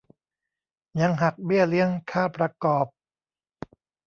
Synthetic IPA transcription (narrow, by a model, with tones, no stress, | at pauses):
jɲa˧ŋɦa˨˩k̚bi˥˩əli˦˥əŋkʰaː˥˩pɾa˧kɔː˨˩p̚